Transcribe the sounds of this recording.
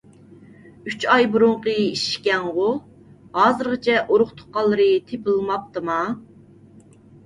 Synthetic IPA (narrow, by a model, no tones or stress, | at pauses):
yt͡ʃɑjbuɾʊɴqəiʃkʲɛŋʁʊ | hɑːzɨɾʁət͡ʃʰɛʔoɾʊχt̪ʰʊ̥qɑlˠːɨɾɨt̪ʰepɨlˠɨmɑp̚t̪ɨmɑ